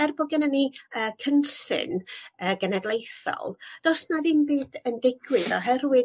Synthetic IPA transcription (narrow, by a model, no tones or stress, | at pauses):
ɛrbɔɡɛnəniəːkʰənɬɨ̰nəːɡənɛdlˠejθɔ̰lˠd̥ɔsnaðiːnbɨːdəndɪɡwɨðɔɦɛrwɨ